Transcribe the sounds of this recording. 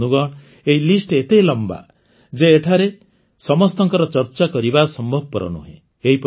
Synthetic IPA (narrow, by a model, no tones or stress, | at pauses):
nuɡɔɽ̃ | eɦilisʈet̪elɔmba̰ | d͡ʒeːʈʰaɾe | sɔmɔst̪ɔŋkɔɾɔt͡ʃɔɾt͡ʃakɔɾibasɔmbʱɔbʱɔpɔɾɔ̰nṵɦḛ̃ | eɦip